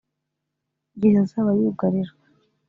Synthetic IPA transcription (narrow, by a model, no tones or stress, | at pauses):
ɡihazaβajuːɡaɾiɾɡa